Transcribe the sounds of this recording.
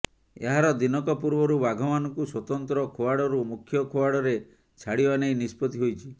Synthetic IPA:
ḛɦaɾɔd̪inɔkɔpuɾbɔɾubaɡʱɔmanɔŋkuswɔt̪ɔnt̪ɾɔkʰowaɽɔɾumukʰjɔkʰowaɽɔɾe | t͡ʃʰaɽibanejnispɔt̪iɦojt͡ʃʰi

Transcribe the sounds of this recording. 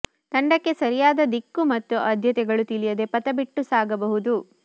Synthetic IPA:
t̪ɐɳɖɐkːe̞sɐɾijaːd̪ɐd̪ikːumɐt̪ːuʔɐd̪ʱjɐt̪ɛɡɐɭut̪ilijɐd̪e̞pɐt̪ɐbiʈːusaːɡɐbɐɦud̪u

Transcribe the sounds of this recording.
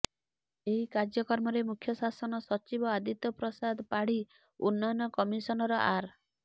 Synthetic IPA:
eɦikaɾd͡ʒjɔkɔɾmɔɾemukʰjɔsasɔnɔsɔt͡ʃibɔad̪it̪ɔpɾɔsad̪ʱpaɽ̤i | unːɔnːɔkɔmisɔnɔɾɔʔaɾ

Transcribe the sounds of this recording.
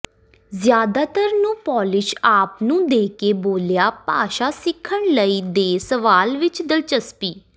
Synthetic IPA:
zjaːd̪aːt̪əɾnũːpɔːlɪʃaːpnũːd̪eːkeːboːljaːpaːʃaːsɪkʰːəɳləiːd̪eːsəʋaːlʋɪt͡ʃd̪əlt͡ʃəspiː

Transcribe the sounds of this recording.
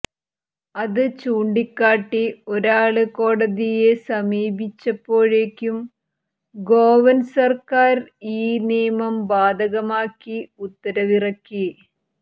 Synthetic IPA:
ɐðɨt͡ɕuːɳɖikːaːʈːio̞ɾaːɭɨko̞ːɽɐðije̞sɐmiːbʱit͡ɕːɐpːo̞ːɻeːkʲːum | ɡoːʋɐnsɐrkaːɾiːnijɐmɐmbaːd̪ʱɐɣɐmaːkːiut̪ːɐɾɐʋirɐkːi

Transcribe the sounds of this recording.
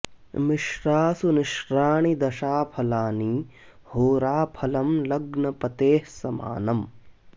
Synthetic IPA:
mɪʃɾaːsunɪʃɾaːɳ̃id̪ɐʃaːpʰɐlaːniː | hoːɾaːpʰɐlɐmlɐɡnɐpɐt̪eːhsɐma̰ːnɐm

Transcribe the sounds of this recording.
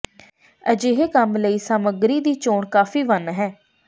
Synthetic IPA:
əd͡ʒeːɦekəmləiːsaːməɡɾiːd̪iːt͡ʃoːɳkaːfiːʋənɦɛː

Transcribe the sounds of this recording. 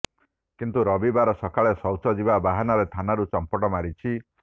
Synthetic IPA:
kint̪uɾɔbibaɾɔsɔkaɭesɔwt͡ʃɔd͡ʒibabaɦanɔɾet̪ʰanaɾut͡ʃɔmpɔʈɔmaɾit͡ʃʰi

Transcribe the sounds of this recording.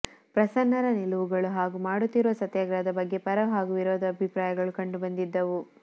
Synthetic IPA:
pɾɐsɐnːɐɾɐniluʋuɡɐɭuɦaːɡumaːɽut̪ːiɾuʋɐsɐt̪jaːɡɾaːd̪ɐbɐɡːe̞pɐɾɐɦaːɡuʋiɾɔːd̪ɐːbʱipɾaːjɐɡɐɭukɐɳɖubɐnd̪id̪ːɐʋu

